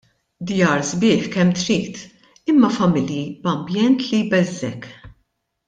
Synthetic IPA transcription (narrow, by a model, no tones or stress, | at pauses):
d̪jɐːɾzbɪːħkɛmːt̪ɾiːt̪ | ɪmːɐfɐmɪljibɐmbjɛnt̪lijbɛzːɛk